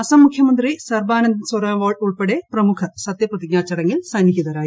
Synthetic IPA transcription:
ɐsɐmːukʰjɐmɐnd̪risɐrbaːnɐnd̪ɐnsɐɾɐʋoːɭʈuɭpeɽeprɐmukʰɐsɐt̪jɐprɐt̪iɡ̚ɲaːt͡ɕːɐɽɐŋːilsɐnːiɡiðɐɾaːji

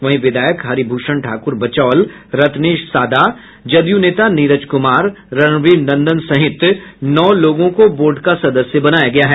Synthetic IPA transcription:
ʋɐ̃ɦĩʋɪd̪ʱaːjəkɦaɾibʱuːʃəɳʈʰaːkʊɾbɐt͡ʃɔːlɾɐt̪neːʃsaːd̪a | d͡ʒɐd̪juneːt̪aniːɾət͡ʃkʊmaːɾː | ɐnʋiːnnɐ̃nd̪ənsɐɦɪt̪nɔːloːɡõkoboːɾɖkasɐd̪əsjəbɐnaːjaɡɐjaɦɛː

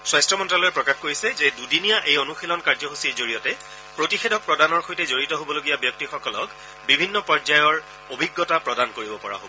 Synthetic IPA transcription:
swajstɹɔmɔntɹalɔjɛpɹɔkaxkoɹisɛzɛdudinijaʔejonuxilɔnkaɹzɔɦusiezoɹijɔtɛ | pɹotixedʱɔk̚pɹɔdanɔɹxojtɛzoɹitɔɦobɔloɡijabjɔk̚tixɔkɔlɔk | bibʱinːɔpɔzajɔɹ | obʱiɡːɔtapɹɔdankoɹibɔpɔɹa̰ɦobɔ

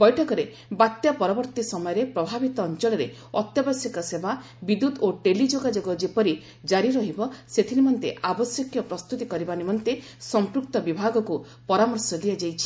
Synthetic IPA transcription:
bɔjʈʰɔkɔɾe | bat̪japɔɾɔbɔɾt̪isɔmɔjɔɾepɾɔbʱabit̪ɔːnt͡ʃɔlɔɾe | ɔt̪jɔbɔsjɔkɔseba | bid̪ud̪oʈelid͡ʒoɡad͡ʒoɡɔd͡ʒepɔɾi | d͡ʒaɾiɾɔɦibɔset̪ʰinimɔnt̪eʔabɔsjɔkjɔpɾɔst̪ut̪ikɔɾibanimɔnt̪e | sɔmpɾukt̪ɔbibʱaɡɔku | pɔɾamɔɾsɔd̪iad͡ʒajt͡ʃʰi̥

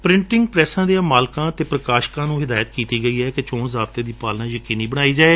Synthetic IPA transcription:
pɾɪ̃ɳʈɪŋɡpɾɛːsãːd̪ijãːmaːlkãːt̪eːpɾəkaːʃkãːnũːɦɪd̪aːjət̪kiːt̪iːɡəiːɦɛːkɪt͡ʃõːnzaːb̚t̪eːd̪iːpaːlnãːjəkiːniːbəɽ̃aːiːd͡ʒaːeː

